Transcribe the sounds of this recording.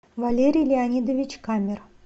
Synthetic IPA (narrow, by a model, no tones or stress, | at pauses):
valʲeɾʲijlʲɪanʲid̪əvʲɪt͡ɕkamʲɪr